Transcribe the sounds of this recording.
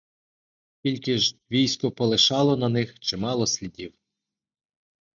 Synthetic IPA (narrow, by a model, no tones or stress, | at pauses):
kʲilʲkɪʒʋʲijsʲkɔpɔlˠɪʃɑlˠɔnɐnɪxt͡ʃɪmɑlˠɔsʲlʲidʲiw